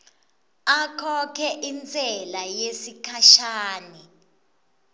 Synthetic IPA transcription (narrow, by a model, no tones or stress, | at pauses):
akʰɔkʰɛʔint͡sʼɛlajesikʰaʃaːni